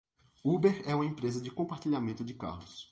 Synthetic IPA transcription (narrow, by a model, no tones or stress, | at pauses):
ubeɾɛũmɐẽpɾezɐd͡ʒɪkõpaɾt͡ʃiʎamẽnt̪ʊd͡ʒɪka̰ɾlʊs